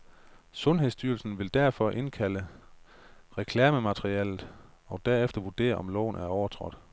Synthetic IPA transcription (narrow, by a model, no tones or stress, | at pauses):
sɔ̽nɦe̝ðˠsd̥yːɐlsn̩ʋe̝ld̥æɐ̰fɒ̽ʔe̝nkʰælə | ʁekʰlæːməmæt͡sʁiɛlð̩ˠ | ɒ̽d̥æɐefd̥ɐʋuɐd̥e̝̰ːɐʔɒ̽mlɒ̰ʊn̩æɐɒʊɐt͡sʰʁɒ̽d̥